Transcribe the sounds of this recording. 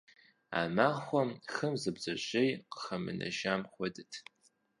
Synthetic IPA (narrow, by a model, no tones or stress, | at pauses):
a̰ːmaːχʷɔmxɨmzɨbzɐɕʼejqə̥χɐmɨ̰nɐ̰ʒaːmχʷɔdɨtʰ